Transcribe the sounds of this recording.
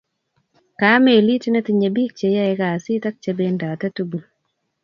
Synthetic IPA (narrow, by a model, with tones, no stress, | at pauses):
ka˨˦me˨li˦tne˦ti˨ɲe˨bi˦k̚t͡ʃe˨ja˦ɛ˨ka˨si˦ta˦k̚t͡ʃe˦benda˨ta˦tu˦bu˨